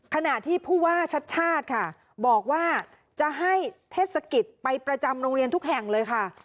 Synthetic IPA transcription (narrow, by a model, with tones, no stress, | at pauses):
kʰa˧na˨˩ʔt̪ʰiː˥˩pʰuː˥˩waː˥˩t͡ɕʰa˦˥t̪̚t͡ɕʰaː˥˩t̪̚kʰa˥˩ | bɔː˨˩k̚waː˥˩ | t͡ɕa˨˩ɦa˥˩jt̪ʰeː˥˩t̪̚sa˧ki˨˩t̪̚pa˧jpɾa˧t͡ɕa˧mɾo˧ŋɾi˧nt̪ʰu˦˥k̚ɦɛ˨˩ŋlɤː˧jkʰa˥˩